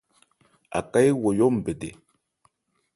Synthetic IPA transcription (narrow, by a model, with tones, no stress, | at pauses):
a̰˨ka˦jwo˨jo˦m̩˨be˨dḛ˨